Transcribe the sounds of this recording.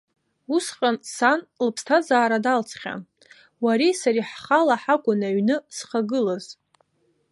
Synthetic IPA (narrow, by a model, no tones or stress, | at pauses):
usqʼansanlɨpʰstʰazaːɾadalt͡sʰχʲa̰ | waɾesaɾiħχalaħakʷʼʊnaɥnɨsχaɡɨlaz